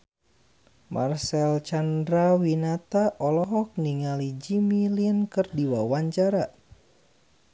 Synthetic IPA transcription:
ma̰rsɛlt͡ʃandɾawinat̪aʔɔlɔɦɔk̚niŋalid͡ʒimilinkɨrdiwawaɲt͡ʃaɾa

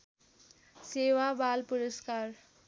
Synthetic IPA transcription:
sewabalpuɾəskar

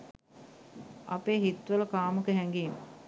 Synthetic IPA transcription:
ɐpeːɦit̪ʋələkaːmukəɦɛŋɡiːmə̰

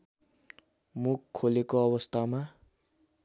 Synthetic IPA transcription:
mukʰːolekoʌbʌst̪ʰama

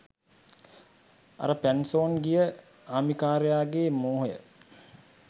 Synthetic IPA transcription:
a̰ɾəpænsoːnɡijə | aːmikaːɾejaːɡeːmoːɦjə̰

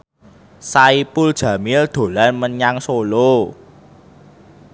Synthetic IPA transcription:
saipuld̥ʒ̥ä̤mɪld̪̥o̤lanməɲaŋsolo

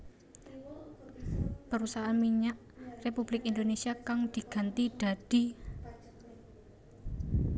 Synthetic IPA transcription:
pəɾusaɦamiɲaʔ | republɪkind̪onesiakaŋd̪̥iɡ̥a̤nt̪iɖ̥a̤d̥i̤

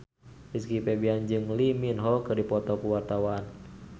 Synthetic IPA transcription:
biskipɛbiand͡ʒɨŋliminɦɔkɨrdipɔt̪ɔkuwart̪awan

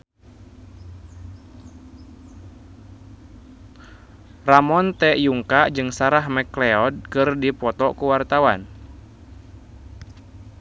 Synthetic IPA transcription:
ramɔnt̪ɛʔjuŋkaʔd͡ʒɨŋsaɾaɦmɛklɛɔd̚kɨrdipɔt̪ɔkuwart̪awan

